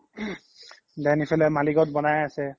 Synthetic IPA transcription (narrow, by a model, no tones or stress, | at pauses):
dɛnipʰɛlɛmaliɡɔtbɔnajasɛ